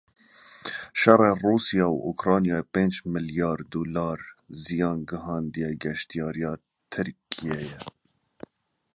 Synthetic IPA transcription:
ʃɛrˤeːruːsijɑːwʔokɾɑːnijɑːepeːnd͡ʒmɨljɑːɾd̪oːlɑːɾzijɑːnɡɨɦɑːnd̪ijɛɡɛʃt̪ijɑːɾijɑː | t̪ʰɨɾkʰijɛjɛ

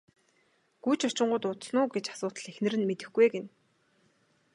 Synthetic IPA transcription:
ɡ̥ujt͡ɕʰɔ̥t͡ɕɪ̆ɴɢʊːt̪ʊt̪snʊːɡet͡ɕḁsʊːt̪ə̆ɮexnɘ̆ɾɘ̆nmet̪ɘ̆xɡueɡen

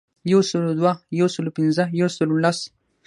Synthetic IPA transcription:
jawsəlod̪wajawsəlopɪnzəjawsəlolas

